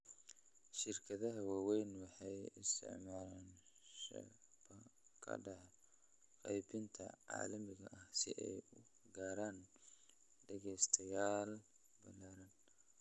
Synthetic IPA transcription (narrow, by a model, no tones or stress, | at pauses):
ʃɪrkʰɐðɐɦɐwaːwɛjnwɑħɑjɪst̪ʰɪ̰ʕmaːlan | ʃɐ̰ | bɐkʰɐ̰ɖɑʕ | qɑjbɪnt̪ʰɐ̰ʕɑ̰ːlɐmɪɣɐʔɐhsɪ̰ʔɛ̰jʊ | ɡaːɾaːn | ɖɐɣɛst̪ʰɐjaːl | bɐlaːɾɐn